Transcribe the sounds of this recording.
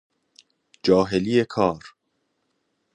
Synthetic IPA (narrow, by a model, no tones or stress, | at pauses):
d͡ʒɒːɦeliːjekʰɒːɾ